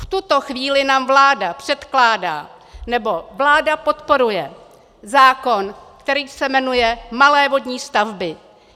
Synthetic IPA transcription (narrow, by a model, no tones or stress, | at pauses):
ft̪ut̪o̞xviːlɪnaːmvlaːdapr̥ɛt̪klaːda̰ː | nɛbo̞vlaːdapo̞t̪po̞ɾujɛ | zaːko̞nkt̪ɛɾiːsɛmɛnujɛmalɛːvo̞dɲiːst̪avbɪ